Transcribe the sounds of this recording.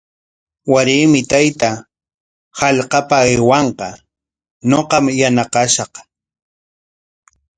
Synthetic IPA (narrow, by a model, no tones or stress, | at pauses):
waɾɪːmɪt̪ajt̪a | hɑʎqɑpaːjwɑɴqɑ | ɲoqɑmjanaqɑʃɑq